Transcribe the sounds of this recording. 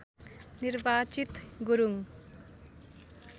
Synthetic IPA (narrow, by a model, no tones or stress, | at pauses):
niɾbaːt͡ʃit̪ɡuɾuŋ